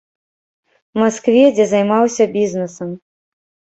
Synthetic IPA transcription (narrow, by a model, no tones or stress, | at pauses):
maskvʲɛd͡zʲɛzajmawsʲɐbʲiznɨsɐm